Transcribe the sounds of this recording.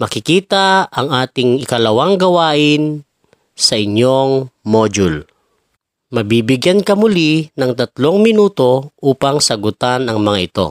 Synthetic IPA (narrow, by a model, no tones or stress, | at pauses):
mɐkɪkiːt̪ɐʔɐŋʔaːt̪ɪŋɪkɐlɐwaŋɡɐwaːʔɪn | sɐʔɪɲoŋmoːd͡ʒʊl | mɐbiːbɪɡjankɐmʊlinɐŋt̪ɐt̪lo̞ŋmɪnuːt̪o̞ʔuːpɐŋsɐɡʊt̪anɐŋmɐŋaʔɪt̪o̞̰